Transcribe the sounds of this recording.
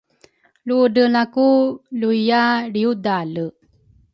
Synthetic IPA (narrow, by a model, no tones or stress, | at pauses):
ludənakuluijaɾiudalə